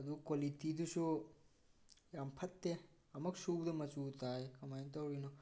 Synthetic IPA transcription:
ɐd̪ukolit̪id̪usu | ɐmpʰɐt̪ːe | ɐmɐksuːbd̪ɐmɐt͡ʃuːt̪aːjekɐmɐjnt̪ɐwɾinu

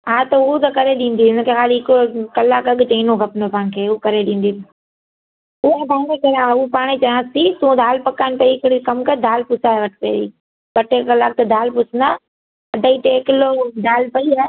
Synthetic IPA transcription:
ɦaːt̪ɐʊt̪ɐkɐɾeɗĩːn̆d̪iɪnkʰexaːliɦɪkokɐlaːkɐɠt͡ɕɐ̃inõɡʱɐpnopaɪnkʰeːʊukɐɾeɗĩːn̆d̪iːn | ʊɦapãːnkekɐɾaupaːɽ̃et͡ɕɐjãːsit̪ũd̪ʱaːlpɐkaːɪnpɐiɪkɽikɐmkɐɾd̪ʱaːlpʊsaːɦeʋɐʈʰpḛːd̪ḭː | bɐʈekɐlaːk̚t̪ɐd̪ʱaːlpʊsna | ɐɖʱaiʈ̪eːkɪlod̪aːlpɐiaː

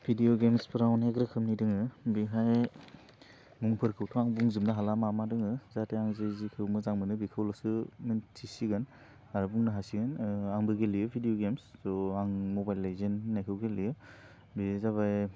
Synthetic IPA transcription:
bʰʱidioɡemspɾawnheɡɾɯkʰɯmnidɯŋɯbiɦaj | muŋpʰɯɾkʰɯwtʰɔaŋbuŋzɯmdaɦalamamadɯŋɯzatʰeaŋzezikʰɯmɯzaŋmɯnɯbikʰɯwlɔsɯmɯntʰisiɡɯn | aɾɯbuŋnɯɦasiɡɯnaŋbɯɡelijɯpʰidijoɡemsdɔaŋmobajlːajzenːajkʰɯwɡelijɯ | bizaβaj

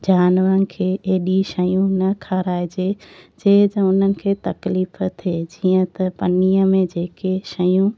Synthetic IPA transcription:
d͡ʑaːnʋəɾənɪ̆kʰeːeːɗiʃɐjũnɐkʰaɾaːed͡ʑeːd͡ʑeːd͡ʑɐʊn̤ənɪ̆kʰeːt̪ɐkliːfət̪ʰed͡ʑiːə̃t̪ɐpɐniəmẽd͡ʑeːkeʃɐjũ

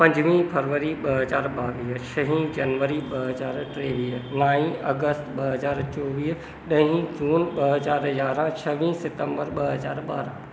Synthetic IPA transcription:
pɐ̃ɲd͡ʒʋĩpʰəɾʋəɾiɓɐɦəzaːɾɓaːʋiːɦʃʰəɦĩd͡ʒɐnʋəɾiɓɐɦəzaːɾʈɾeːʋiːɦnaːĩɐɡəst̪ɓɐɦəzaːɾt͡ʃɔːʋiː | ɗəɦĩd͡ʒuːnɓəɦəzaːɾjaːɾãt͡ʃʰɐʋĩsɪt̪ə̃mbəɾɓɐɦəzaːɾɓa̰ːɾã

